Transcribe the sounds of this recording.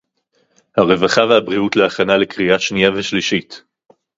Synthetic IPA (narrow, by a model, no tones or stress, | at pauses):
haʁe̞vaχavehabʁiutleaχanalekʁiaʃnijaveʃliʃit